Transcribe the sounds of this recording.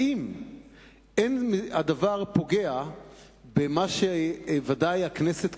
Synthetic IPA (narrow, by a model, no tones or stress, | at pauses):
im | enmadavaʁpo̞ɡea | bemaʃevadajakneset̪